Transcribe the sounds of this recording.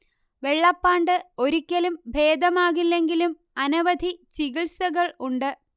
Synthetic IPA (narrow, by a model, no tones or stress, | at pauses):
ʋe̞ɭːɐpːaːɳɖɨo̞ɾikʲːɐlumbʱe̞ːd̪ɐmaːɣilːe̞ŋɡilum | ɐnɐʋɐd̪ʱit͡ɕiɣiɭsɐɣɐɭuɳɖɨ